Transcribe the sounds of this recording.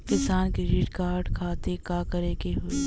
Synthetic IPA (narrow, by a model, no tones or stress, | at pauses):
kɪsaːnkɾeɖɪʈkaːɾɖkʰaːt̪ekaːkɐɾekeɦoi